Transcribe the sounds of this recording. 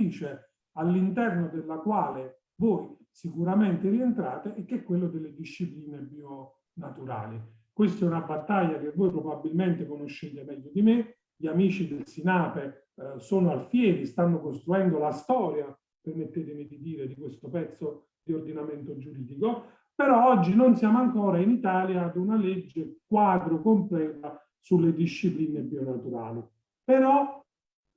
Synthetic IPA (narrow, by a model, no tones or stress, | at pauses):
iːt͡ʃe | alːint̪ɛrnod̪elːakwaːle | voj | sikuɾament̪erient̪ɾaːt̪eʔɛk̟ːɛkːwelːod̪elːed̪iʃːipliːnebju | nat̪uɾa̰ːli | kwest̪ɛunabːat̪ːaʎːak̟evːojpɾobabːilment̪ekonoʃːeːt̪emɛʎːod̪ime | ʎiamiːt͡ʃid̪elsinaːpe | soːnoalfjɛːɾist̪anːokost̪ɾuɛnd̪olast̪ɔːɾja | permet̪ːeːt̪ɪmid̪id̪iːɾed̪ikwest̪opɛt̪sːo | d̪iord̪inament̪od͡ʒuɾiːd̪iko | peɾɔɔd͡ʒːinonsjaːmoaŋkɔːɾainit̪aːljaːd̪unaled͡ʒːek̚waːd̪ɾokomplɛːt̪a | sulːed̪iʃːipliːnebjonat̪uɾa̰ːli | peɾɔ